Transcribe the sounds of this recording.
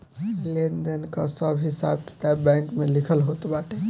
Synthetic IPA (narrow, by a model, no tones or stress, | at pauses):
lend̪enkəsəbɦisa̰bki̥t̪abãjŋkmelikʰəlɦot̪baʈe